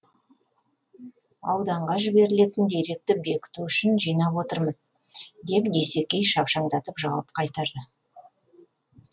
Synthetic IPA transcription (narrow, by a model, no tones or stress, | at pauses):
ɑ̰wd̪ɑɴʁɑʒɪbe̞ɾɪle̞t̪ɪnd̪e̞ɾe̞k̚t̪ɪbe̞kʲɪ̥t̪uʏʃɪnʒijnɑpwo̞t̪əɾməz | d̪e̞pd̪e̞se̞kʲːe̞jʃɑpʃɑɴd̪ɑt̪əpʒɑwɑp̚qʰɑjt̪ɑɾd̪ə